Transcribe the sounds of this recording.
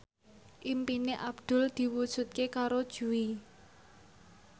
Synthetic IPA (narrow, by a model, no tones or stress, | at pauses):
ʔimpineʔab̥d̪̥ʊ̤ld̪̥i̤wud̥ʒ̥ṳt̪̚kekaɾod̥ʒ̥ṳwi